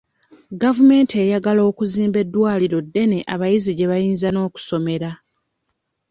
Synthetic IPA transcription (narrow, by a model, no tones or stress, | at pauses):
ɡavume̞ːnte̞jaɡalo̞ːkuziːmbe̞dːwaːliɾo̞dːe̞ne̞ʔaβajiziɟe̞βajiːnzano̞ːku̥so̞me̞ɾa